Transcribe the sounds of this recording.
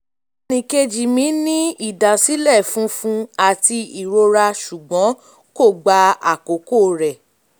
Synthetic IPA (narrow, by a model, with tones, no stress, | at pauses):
nĩ˨˧ke˧d͡ʒi˨mĩ˨˦nĩ˦i˦˨da˨si˨˦lɛ˦˨fũ˨˦fũ˦a˨ti˧i˨ɾo˧ɾa˧ʃu˨ɡ͡bɔ̃˨˦ | ko˦˨ɡ͡ba˧a̰˨ko˨˦ko˦˨ɾɛ˨